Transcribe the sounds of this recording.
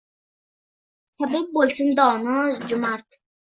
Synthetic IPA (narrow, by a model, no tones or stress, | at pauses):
t̪ʰabik̪̚bolʲsind̪ɔːnɔd͡ʒʊmaɾt̪